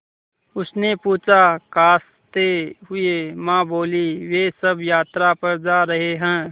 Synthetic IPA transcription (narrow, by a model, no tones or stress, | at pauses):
ʊsnepuːt͡ʃʰakaːs | t̪eɦʊemãːboːliʋeːsɐbjaːt̪ɾapɐɾd͡ʒaːɾɐɦeɦɛ̃ː